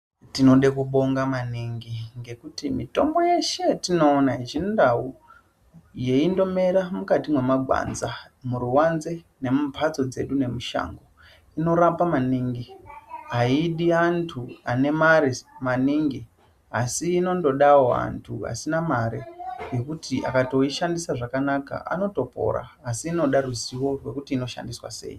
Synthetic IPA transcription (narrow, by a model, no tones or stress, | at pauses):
tino̞ɗekuɓo̞ŋɡamaniŋɡiŋɡe̞kutimito̞mbo̞je̞ʃe̞tino̞ːnaiʒindau | je̞indo̞me̞ɾamukatimwe̞maɡʱwa̰nza | muɾuwanze̞ | ne̞mupʰat͡so̞d͡ze̞̰ɗune̞muʃa̰ŋɡo | ino̞ɾapamaniŋɡiɦaiɗiantʰuane̞maɾemaniŋɡi | asiːno̞ndo̞ɗawoa̰ntʰua̰sinamaɾeje̞kutiʔa̰kato̞iʃandisaʐakanaka̰ʔa̰no̞to̞po̞̰ɾa̰ːsiːno̞ɗaruziwo̞rwe̞kutiːno̞ʃa̰ndiswa̰se̞̰ːji